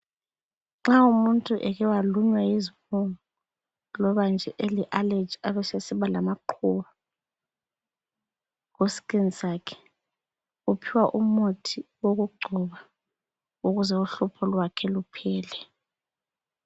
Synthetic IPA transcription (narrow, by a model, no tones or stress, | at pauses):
ŋ͡ǁaumuntʼuʔɛɣɛwaluɲwajizimuŋɔ | lɔβand͡ʒʱɛʔeliʔaled͡ʒaβɛsesiβalamaǃʰuβa | ɣosi̥kʼenisaːkʰɛ̥ | upʰiwaʔumotʰiwoɣuɡ͡ǃʱuβa | uɣuzɛuɬupʰɔlwakʰɛlupʰɛːlɛ